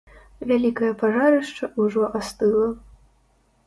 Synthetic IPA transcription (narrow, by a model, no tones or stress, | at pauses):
vʲalʲikɐjɐpʰaʐaɾɨʂʈ͡ʂʰɐʔuʐoʔast̪ɨlˠa